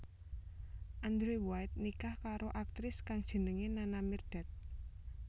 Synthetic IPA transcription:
ʔand̪ɾewajt̪̚nikahkaɾoʔak̚t̪ɾɪskaŋd̥ʒ̥ə̤nəŋenanamird̪̥ɛ̤t̪̚

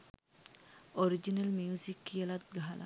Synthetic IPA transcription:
oɾid͡ʒinəlmiusikːijəlat̪̚ɡaɦalʔa̰

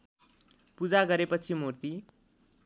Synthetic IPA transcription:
pud͡zaɡʌɾepʌt͡sʰimurt̪i

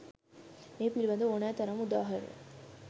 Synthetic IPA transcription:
meːpilibɐnd̪uonæːt̪ɐɾɐmud̪aːɦɐɾḛ

